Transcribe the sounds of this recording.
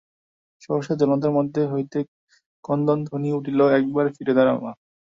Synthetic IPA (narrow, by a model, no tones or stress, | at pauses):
ʃɔɦoʃad͡ʑɔnot̪̬aɾmod̪ʱːeɦojt̪e | kɔnd̪ond̪ʱoniuʈiloɛk̚baɾfiɾed̪aɾa̰ma